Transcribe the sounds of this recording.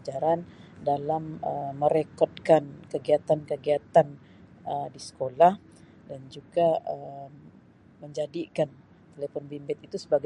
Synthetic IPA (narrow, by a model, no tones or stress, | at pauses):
d͡ʒaɾandalaməːəɾekɔt̪̚kankəɡiat̪ankəɡiat̪an | ədisə̥kolah | dand͡ʒuɡaəmː | əɲd͡ʒadikan | t̪elefɔnbimbɪt̪̚it̪usəbaɡ